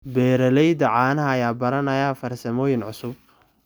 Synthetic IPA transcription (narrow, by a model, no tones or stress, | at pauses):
bɛːɾɐlɛjd̪ɐʕaːnɐɦɐːjaːbɐɾɐnɐjaːfɐrsɐmɔːjɪnʕʊsʊb̚